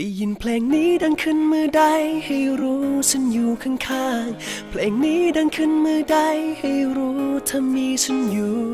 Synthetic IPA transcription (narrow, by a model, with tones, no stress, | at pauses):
a˨˩jji˨˩npʰlɛː˨˩ŋniː˦˥da˧ŋkʰɯ˧˩nmɯː˧da˧jha˧˩jɾuː˦˥sʰa˧˥njuː˨˩kʰa˧˩ŋkʰaː˧˥˩ŋpʰlɛː˨˩ŋniː˦˥da˧ŋkʰɯ˧˥˨nmɯː˧da˧jha˧˩jɾuː˦˥t̪ʰa˧mːiː˧t͡ɕʰa˧˥˩njuː˨˩